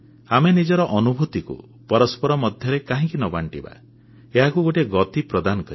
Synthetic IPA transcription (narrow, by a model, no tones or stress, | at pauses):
amenid͡ʒɔɾɔʔɔnubʱut̪ikṵ | pɔɾɔspɔɾɔmɔd̪ʱjɔɾekaɦĩkinɔbaɳʈiba̰ | eɦakuɡoʈeɡɔt̪ipɾɔd̪anɔkɔɾi